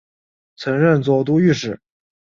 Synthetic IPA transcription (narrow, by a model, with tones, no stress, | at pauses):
t͡sʰɤ˧˥ŋɻə˥˧nt͡swɔ˨˩t̪̬u˥y˥˩ʂɻ̩˥˩